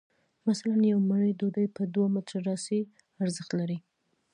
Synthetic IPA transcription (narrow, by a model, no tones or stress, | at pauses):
masalanjawməɳəjd̪od̪əjpəd̪wamɪt̪ɾaɖɑsi | aɾzəxt̪laɾi